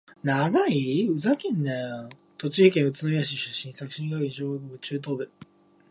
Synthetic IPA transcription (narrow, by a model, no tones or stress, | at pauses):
naɡaiɯ̟zakʲẽnːe | t̪o̞t͡ɕihikẽɰ̃ɯ̟t͡sɨnoɾʲid̪aɕ̬iɕɨɕːĩɰ̃sakɯ̟ɕĩŋɡakɯ̃ɕoakoɡɯt͡ɕɨːt̪̬o̞ːbɯ̟